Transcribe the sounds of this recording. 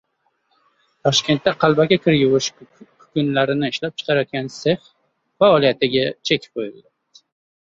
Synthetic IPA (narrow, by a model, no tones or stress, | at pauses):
t̪ʰɒʃkʲe̞nt̪ːaqʰɑlˠbaɡʲakʲʰɪɾjʊwɪʃkʰʊ̥kʲʊnlaɾɪnɪɪʃlap̚t͡ʃʰɨ̥qʰɑɾajɒt̪̚ɡʲansef | faɒlijat̪ʰɪɡʲat͡ʃʰek̚ʲojɪlad̪ɪ